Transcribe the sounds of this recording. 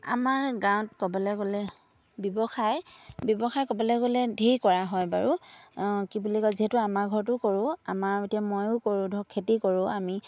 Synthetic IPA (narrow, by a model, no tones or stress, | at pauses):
a̰maɹɡãw̃tkɔbɔlɛɡolɛ | bjɔbɔxajbjɔbɔxajkɔbɔlɛɡolɛdʱijkɔɹaɦɔjbaɹu | kibulikɔziɦɛtʊamaɡʱɔɹtʊkoɹʊ̃a̰maɹetijamojʊkoɹʊ̃dʱɔkʰːetikoɹʊ̃ami